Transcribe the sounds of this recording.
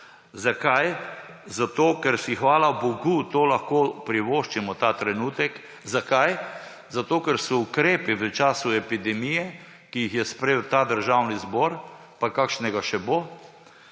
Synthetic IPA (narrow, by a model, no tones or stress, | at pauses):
zakajzat̪oːkɛɾsixʋaːlabɔɡut̪oːlaxkoːpɾiʋoːʃt͡ʃimɔt̪aːt̪ɾɛnuːt̪ɛk | zakaj | zat̪oːkɛɾsɔukɾeːpiʋət͡ʃaːsuɛpid̪ɛmijɛ | kijixjɛspɾewt̪aːd̪əɾʒawnizbɔːɾ | pakakʃnɛɡaʃɛboː